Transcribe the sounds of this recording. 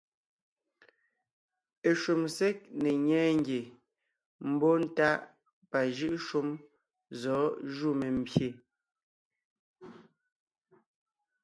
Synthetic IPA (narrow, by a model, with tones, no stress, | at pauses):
e˨ʃu˨mse˦k̚ne˨ɲɛː˦ŋ̩˦ɡje˨ | m̩˦bo˦n̩˦ta˦ʔ | pa˨ʒɯ˦ʔʃu˦m | zɔː˨˦ʒu˦˨me˨m̩˨bje˨